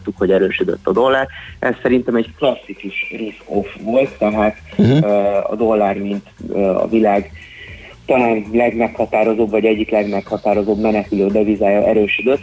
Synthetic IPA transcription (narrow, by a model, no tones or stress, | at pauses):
t̪ːukho̞ɟɛɾøːʃyd̪ø̰t̪ːɒd̪o̞lːaːrʔɛssːɛɾint̪ɛmɛɟklɒsːikuʃriskofʋo̞lt̪ːɛɦaːt̪ | ɒ̰d̪o̞lːaːrmint̪øɒ̰vilaːɡ | t̪ɒlaːnlɛɡmɛkhɒt̪aːɾo̞zoːbvɒɟɛɟːiklɛɡmɛkhɒt̪aːɾo̞zoːbmɛnɛkyløːd̪ɛvizaːjɒʔɛɾøːʃyd̪ø̞t̪ː